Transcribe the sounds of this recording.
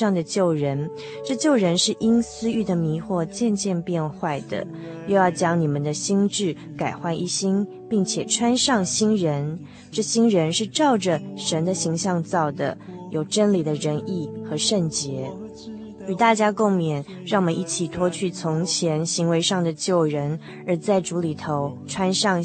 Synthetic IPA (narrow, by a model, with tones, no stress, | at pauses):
ɑ˥˩ŋd̪ə˩t͡ɕjo˥˩ʊɻə˧˥n | ʈ͡ʂɤ˥˧t͡ɕjo˥˩ʊɻə˧˥nʂɻ̩˥˩ʔi˥nsɹ̩˥y˥˩d̪ə˩mi˧˥xwɔ˥˧t͡ɕjɛ˥˧nt͡ɕjɛ˥˧npjɛ˥˧nxwa˥˩ɪd̪̥ə̰˩ | jo˥˧ʊjɑ˥˩ʊt͡ɕjɑ˥ŋni˨˩mə˨˦nd̪ə˨ɕi˥ŋʈ͡ʂɻ̩˥˩ | ka˨˩ɪxwa˥˧nʔi˥˩ɕi˥n | pi˥˩ŋt͡ɕʰjɛ˨˩ʈ͡ʂʰwa˥nʂɑ˥˩ŋɕi˥nɻə˧˥n | ʈ͡ʂɤ˥˩ɕi˥nɻə˧˥nʂɻ̩˥˧ʈ͡ʂɑ˥˩ʊʈ͡ʂə˩ʂə˧˥nd̪ə˨ɕi˧˥ŋɕjɑ˥˧ŋt͡sɑ˥˩ʊd̪ə̰˩ | jo˨˩ʊʈ͡ʂə˥nli˨˩d̪ə˦ɻə˧˥ni˥˩xɤ˧˥ʂə˥˩nt͡ɕjɛ˧˥ | y˨˩t̪a˥˩t͡ɕja˥ko˥˩ŋmjɛ˨˩n | ɻɑ˥˩ŋwmə˧˦ni˥˩t͡ɕʰi˨˩t̪ʰwɔ˥t͡ɕʰy˥˩t͡sʰʊ˧˥ŋt͡ɕʰjɛ˧˥nɕi˧˥ŋwe˧˥ɪʂɑ˥˩ŋd̪ə˩t͡ɕjo˥˩ʊɻə˧˥n | ə˞˧˥t͡sa˥˩ɪʈ͡ʂu˧˥li˨˩t̪ʰo˧˥ʊʈ͡ʂʰwa˥nʂɑ˥˩ŋ